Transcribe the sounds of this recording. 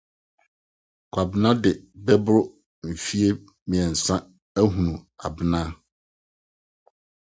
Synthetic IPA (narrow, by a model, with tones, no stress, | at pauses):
kʷʰa˨bɪ˦nã˦dɪ˨bɛ˦bʊ˦ɾʊ˦ | m̩˨fi˦e˦ | mĩ˨ɛ˨n̩˨sã˦ | æ˦ɦũ˨nũ˨a̰˨bɪ˦nã˦